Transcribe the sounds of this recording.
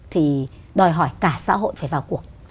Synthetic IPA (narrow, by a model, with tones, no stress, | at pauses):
t̪ʰi˨˩ | ɗɔ˨˩jɦɔ˧˩jkaː˧˩sa̰ː˧˥ɦo̰˧˨jfaː˧˩vaː˨˩wku˨˩ək̚